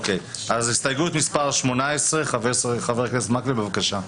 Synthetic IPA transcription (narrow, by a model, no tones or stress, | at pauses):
okej | azist̪ajɡuet̪mispaʁʃmonaesʁeχavesʁeχaveʁkɛsmaklibevakaʃa